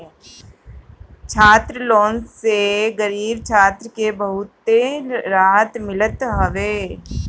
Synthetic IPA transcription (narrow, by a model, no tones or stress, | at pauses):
t͡ʃʰaːt̪ɾəloːnseɡəɾiːbt͡ʃʰaːt̪ɾəkebəɦʊt̪ːeɾaːɦət̪mɪlət̪ɦɐʋeː